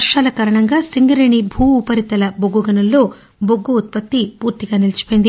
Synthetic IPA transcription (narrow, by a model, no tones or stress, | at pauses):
ɐɾʂaːlɐkaːɾɐɳɐŋɡaːsiŋɡiɾeɳibʱuːupɐɾit̪ɐlɐboɡuɡɐnulːo̞ː | boɡːuut̪̚pɐt̪ːipuːɾt̪iɡaːnilɐt͡ʃi̥poːjind̪i